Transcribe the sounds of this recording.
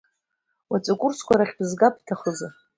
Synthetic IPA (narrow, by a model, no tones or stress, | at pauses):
wat͡sʼakʷʼʊrskʷaɾaχʲbɨzɡapʰʼtʰaχəza